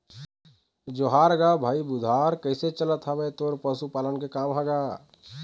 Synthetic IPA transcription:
d͡ʒoɦaɾɡabʱaːibud̪ʱaɾkəɪset͡ʃələt̪ɦəbet̪oɾpəsupaːlənkekaːmɦɛɡa

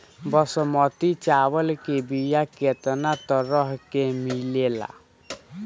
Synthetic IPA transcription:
bɔsɔmɔt̪it͡ʃawəlkebijaket̪nat̪ɔɾɔɦkemilela̰

